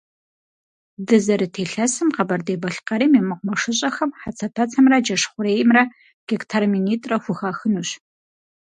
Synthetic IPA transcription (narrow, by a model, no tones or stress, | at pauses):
dɨzɐɾɨtʰeːɬɐsɨmqɐbɐrdeːbɐɬqɐɾiːmemɨqʷʊmɐʂɨɕʼɐxɐmħat͡sʰɐtʰɐt͡sʰɐmrɐd͡ʒɐʂχʷʊɾeːjɪmrɐ | ɡ̥ektʰarminiːtʼrɐxʷʊxaːxɨnuːɕ